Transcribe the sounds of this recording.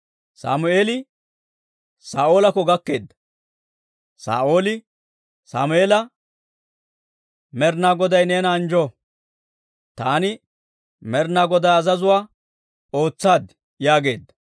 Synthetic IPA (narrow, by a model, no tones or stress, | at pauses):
sa̰ːmʊeːlɪ | saːʔo̞ːlɐkɔɡɐkːe̞ːd̪ːɐ̥ | sa̰ːʔo̞ːlɪ | sa̰ːmʊeːlɐ | mɛɾnaːɡɔd̪ɐjneːnaːnd͡ʒɔ | t̪aːnɪ | mɛɾnaːɡɔd̪ɐɐzɐzʊwaː | o̞ːt͡sːaːd̪ | jaːɡe̞ːd̪ːɐ̥